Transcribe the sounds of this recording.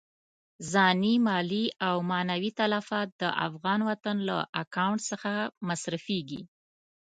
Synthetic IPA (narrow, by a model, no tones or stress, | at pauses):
zɑnimɑliawmɑnawit̪alafɑt̪̚d̪̥ə̰ʔa̰fɣɑnwat̪anla̰ʔakawɳʈsəxamasɾafeɡḭ